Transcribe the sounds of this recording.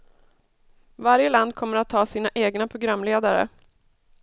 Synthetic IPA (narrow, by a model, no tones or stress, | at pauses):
vaɾjəland̪̚kʰɔmːəɾat̪ʰːɑːsiːnaʔeːɡnapʰɾʊɡɾamːleːd̪aɾə̰